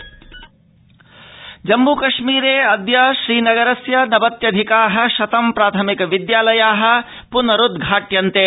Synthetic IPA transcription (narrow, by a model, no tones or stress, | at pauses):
d͡ʒɐmːukɐʃmiːɾeːɐd̪jɐʃɾiːnɐɡɐɾɐsjɐnɐbɐt̪jɐd̪ʱikaːɦɐ̆ʃɐt̪ɐmpɾaːt̪ʰɐmikɐʋid̪jaːlɐjaːɦɐ̆ | punɐɾud̪ɡʱaːʈjɐnt̪eː